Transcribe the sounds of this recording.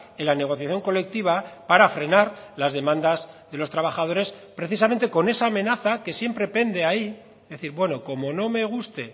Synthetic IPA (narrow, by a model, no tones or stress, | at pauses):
elane̞ɣ̞o̞θjaθjo̞ŋko̞le̞k̚t̪iβ̞apaɾafɾe̞naɾlazðe̞mãnd̪azðe̞lo̞st̪ɾaβaxað̞o̞ɾe̞spɾe̞θis̬ame̞nt̪e̞ko̞ne̞saːmẽ̞naθake̞sje̞mpɾe̞pe̞nd̪e̞ai | ðe̞θiɾbwe̞no̞ko̞mo̞no̞me̞ɣ̞ust̪e̞